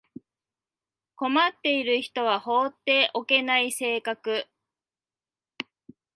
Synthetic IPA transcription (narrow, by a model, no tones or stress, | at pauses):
ko̞mat̪ːe̞iɾɯ̟çi̥t̪o̞β̞aho̞ːt̪ːe̞ːʔo̞ke̞naise̞ːkakɯ̟